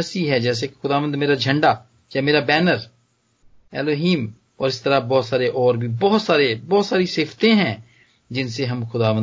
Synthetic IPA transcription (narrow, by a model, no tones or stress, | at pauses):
əsiːɦɛd͡ʒɛːs̬eke̥xʊd̪aːʋə̃nd̪meːɾad͡ʒʱə̃ɳɖaː | jaːmeːɾaːbɛːnəɾ | ɛ̰ːloːɦiːm | ɔːɾɪst̪əɾabɔːt̪saːɾeʔɔːɾbʱibɔːt̪saːɾebɔːt̪saːɾiseːft̪ẽɦɛ̃ː | d͡ʒɪnseɦɐmxʊd̪aːʋə̃